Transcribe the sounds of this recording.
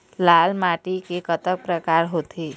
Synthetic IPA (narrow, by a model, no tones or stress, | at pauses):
laːlmaʈikekət̪ək̚pɾəkaːɾɦoːt̪ʰeː